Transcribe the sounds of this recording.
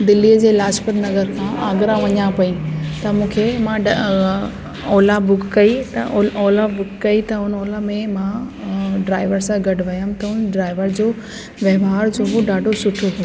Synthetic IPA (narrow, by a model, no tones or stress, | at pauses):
d̪ɪlːiəd͡ʑeːlaːspət̪nɐzəɾkʰãʔaːɡɾãʋɐɲapɐit̪ɐmũːkʰemãɖ | ɔːlabʊkːɐit̪ɐɔːlabʊkkɐit̪ɐʊnoːlamẽmã | ɖɾaːɪʋəɾsãɡɐɖʋɐjəmt̪ɐʊnɖɾaːɪʋəɾd͡ʑoː | ʋjɐʋɦaːɾd͡ʑoːɦoɖaːɖʱosʊʈʰot̪ʰɐ